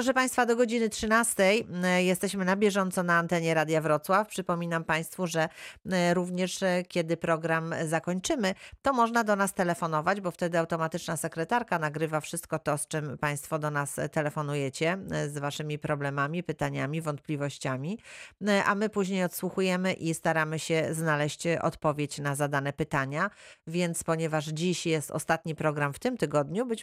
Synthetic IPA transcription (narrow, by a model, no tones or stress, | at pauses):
pɾɔʂɛpaj̃st̪fad̪ɔɡɔd͡ʑinɘtʂɘnast̪ɛjjɛst̪ɛɕmɘnabʲjɛʐɔnt̪sɔnaːnt̪ɛɲɛɾad̪ʲjavɾɔt̪swafpʂɘpɔmʲinampaj̃st̪fuʐɛɾuvɲɛʂkʲjɛd̪ɘpɾɔɡɾamzakɔɲt͡ʂɘmɘt̪ɔmɔʐnad̪ɔnast̪ɛlɛfɔnɔvad͡ʑbɔft̪ɛd̪ɘawt̪ɔmat̪ɘt͡ʂnasɛkɾɛt̪aɾkanaɡɾɘvafʂɘst̪̚kɔt̪ɔst͡ʂɘmpaj̃st̪fɔd̪ɔnast̪ɛlɛfɔnujɛt͡ɕɛzvaʂɘmʲipɾɔblɛmamʲipɘt̪aɲamʲivɔnt̪̚plʲivɔɕt͡ɕamʲiʔa̰mɘpuʑɲejɔt̪swuxujɛmɘʔist̪aɾamɘɕɛznalɛɕt͡ɕɔ̰t̪pɔvʲjet͡ɕnazad̪anɛpɘt̪aɲavʲjɛnt̪spɔɲɛvaʐd͡ʑiɕjɛst̪ɔ̰st̪at̪ɲipɾɔɡɾamft̪ɘmt̪ɘɡɔd̪ɲubɘt͡ɕ